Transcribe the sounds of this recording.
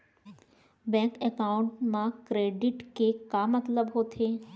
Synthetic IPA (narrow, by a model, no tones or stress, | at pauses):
bɛ̃ːŋkɛkaːʊ̃ɳʈmãkɾeːɖɪʈkekamɐt̪ləbɦoːt̪ʰeː